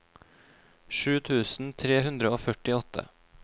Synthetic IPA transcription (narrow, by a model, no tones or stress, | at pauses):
ʃʉːt̪ʰʉːsn̩t̪ʰɾeːɦʉnd̪ɾəoːfœʈɪɔt̪ʰə̰